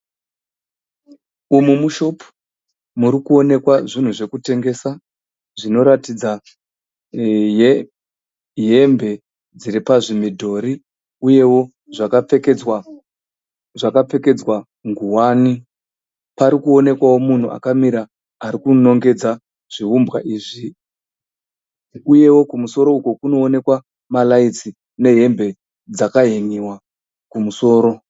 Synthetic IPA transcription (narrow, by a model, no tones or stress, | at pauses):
umumuʃo̞pu̥ | muɾikuo̞ne̞kwaʐin̤uʐe̞kute̞ŋɡe̞sa | ʐino̞ɾatid͡za | je | ɦe̞mbe̞ | d͡ziɾipaʐimidʱo̞ɾi | uje̞wo̞ | ʐakawa | ʐakap͡fe̞ke̞d͡zwa | ŋɡuwani | paɾikuo̞ne̞kwawo̞mun̤uʔa̰kamiɾaː | ɾikuno̞ŋɡe̞d͡za | ʐ̥iɦumbɣa̰ʔiːʐi | uje̞wo̞kumuso̞ɾo̞uko̞kuno̞ːne̞kwa | malait͡si | ne̞ɦe̞mbe̞ | d͡zakaɦeŋiwa | kumuso̞ːɾo̞